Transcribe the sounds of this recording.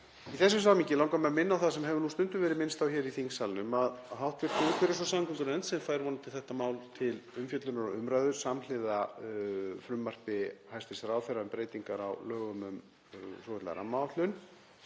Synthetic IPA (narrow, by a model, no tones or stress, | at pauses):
iθɛs̬ːʏms̬aːwmiɲcɪlãwŋkamɛmɪnːawθasɛmɦɛvʏnust̪ʏnt̪ʏmvɛːɾɪmɪnst̪θawçɛɾiθiŋsalnʏmaðɦawht̪vɪɾ̥t̪ɪk̪fɪɾɪsɔsamŋkʰɔŋkʏɾmɛnt̪sɛmfaːjɾvɔnːat̪ɪlθɛht̪amaːwlt̪ʰɪlʏmfjœt̪lʏnaɾɔʏmɾaðʏɾ̥saml̥ɪða | fɾʏmːar̥pɪhajst̪ɪsɾaːwfɛɾaʏmpɾeːjt̪iŋkaɾa̰wlœːɣʏmʏm | sɔwhɛt̪la̰ɾa̰mawt̪lʏn